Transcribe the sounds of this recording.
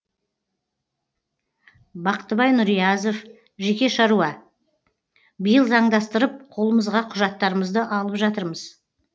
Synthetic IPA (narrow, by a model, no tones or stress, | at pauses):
bɑqə̥t̪ːəbɑjnʊɾijɑzo̞f | ʒe̞kʲe̞ʃɑɾuɑ | bəjəlˠzɑɴd̪ɑst̪əɾəp̚qʰo̞lˠəməzʁɑqʰʊʒɑt̪ːɑɾəməzd̪əʔɑlˠəpʒɑt̪əɾməz̥